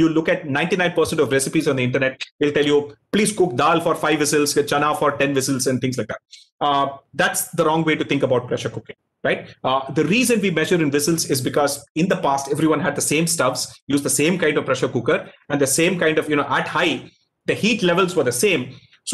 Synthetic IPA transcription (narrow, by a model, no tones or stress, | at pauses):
julʊkæʈ̚nãɪ̃ɳʈinãɪ̃npəɾsɛ̃ɳʈɔʋɾɛsɪpizɔ̃nd̪əɪ̃ɳʈəɾneʈ̚ʋilʈɛljupliːzkʊk̚d̪aːlfɔːɾfaɪʋʋɪsəlzt͡ʃɐ̃naːfɔːɾʈɛ̃nʋɪsəlzɛ̃nt̪ʰɪ̃ŋs̬laɪk̚d̪æʈ̚ | d̪æʈsd̪əɾɔ̃ːŋɡʋeːʈut̪ɪ̃ŋkəbaʊʈ̚pɾɛʃəɾkʊkɪ̃ŋ | ɾaɪʈ̚d̪əɾiːzə̃nʋiːmɛʒəɾɪ̃nʋɪsəlzɪzbɪkɔːzɪ̃nd̪əpaːsʈɛʋɾiʋʌ̃nɦæɖ̚d̪əsẽːmsʈʌfsjuːzd̪əsẽːmkãɪ̃ɳɖɔvpɾɛʃəɾkʊkəɾɛ̃nd̪əsẽːmkãɪɳɖɔʋjunoːʔæʈhaɪ | d̪əhiːʈlɛʋəlzʋəɾd̪əsẽːm | so